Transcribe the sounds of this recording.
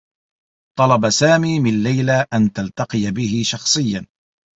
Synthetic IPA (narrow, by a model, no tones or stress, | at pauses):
t̪ˤɑlɑbasaːmiːmɪlːajlaʔant̪alt̪ɑqɨjabɪhɪʃɑxsˤɨjːan